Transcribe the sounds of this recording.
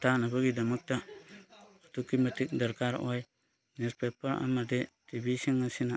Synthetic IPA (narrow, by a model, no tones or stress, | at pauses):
tanabaɡidamuk̚ta | otukːimatik̚daɾkaɾo̰j | nespepaɾa̰madetibisiŋasina